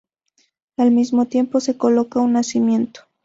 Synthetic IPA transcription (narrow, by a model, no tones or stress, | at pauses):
almizmo̞t̪je̞mpo̞se̞ko̞lo̞kaunːasimje̞nt̪o̥